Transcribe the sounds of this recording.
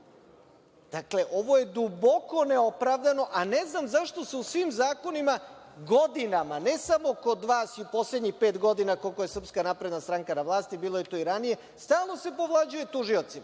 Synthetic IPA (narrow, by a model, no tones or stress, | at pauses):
d̪̥akle̞ʔo̞ʋo̞je̞d̪ubo̞ko̞neo̞pɾaʋd̪ano̞ʔaneznamzaʃt̪o̞seusʋimzaːko̞nimaɡo̞d̪inamane̞samoko̞d̪ʋaːsiupo̞sle̞d̪ɲixpe̞ːt̪ɡo̞d̪inako̞lˠko̞jesr̩pskanapɾe̞d̪nast̪ɾaŋkanaʋlˠaːst̪ibiːlˠojet̪oːiɾanije̞ | st̪aːlˠno̞se̞po̞ʋlˠad͡ʑuje̞t̪uʒiot̪sima